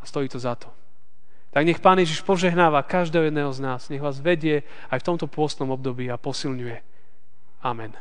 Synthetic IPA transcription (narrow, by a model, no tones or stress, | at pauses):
ast̪ɔjiːt̪ɔzat̪ɔ̥ | t̪aɡɲɛxpaːnjɛʒiʃpɔʒɛɦnaːʋakaʒd̪ɛːɦɔjɛd̪nɛːɦɔznaːzɲɛɣʋaːzʋɛɟɪɛ | ajft̪ɔmt̪ɔpʊɔst̪nɔmɔb̚d̪ɔbiːapɔsilɲujɛ | amɛn